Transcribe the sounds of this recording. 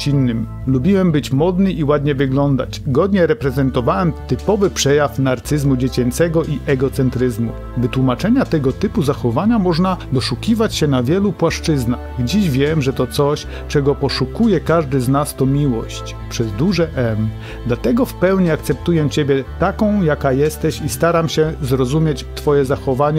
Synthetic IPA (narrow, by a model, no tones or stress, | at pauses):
inːɘm | lubʲiwɛmbɘt͡ɕmɔd̪nɘʔiwad̪ɲɛvɘɡlɔnd̪a̰t͡ɕɡɔd̪ɲɛɾɛpɾɛzɛnt̪ɔvawɛmt̪ɘpɔvɘpʂɛjafnaɾt̪sɘzmud͡ʑet͡ɕɛnt̪sɛɡɔʔiʔɛɡɔt̪sɛnt̪ɾɘzmṵ | vɘt̪wumat͡ʂɛɲat̪ɛɡɔt̪ɘpuzaxɔvaɲamɔʐnad̪ɔʂukʲivat͡ɕɕɛnavʲjɛlupwaʂt͡ʂɘznaɣɡd͡ʑiɕvʲjɛmʐɛt̪ɔt̪sɔɕ | t͡ʂɛɡɔpɔʂukujɛkaʐd̪ɘznast̪ɔmʲiwɔɕt͡ɕ | pʂɛzd̪uʐɛʔɛm | d̪lat̪ɛɡɔfpɛwɲiak̚t̪sɛpt̪ujɛt͡ɕebʲjɛt̪akɔ̃w̃jakajɛst̪ɛɕist̪aɾamɕɛzɾɔzumʲjet͡ɕt̪fɔjɛzaxɔvaɲɛ